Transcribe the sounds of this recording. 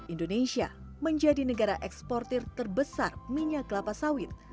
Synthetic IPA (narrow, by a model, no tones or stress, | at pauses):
ʔindonesia | məɲd͡ʒadinəɡaɾaʔɛkspɔrt̪ɪrt̪ərbəsarmiɲaɡlapasawɪt̪̚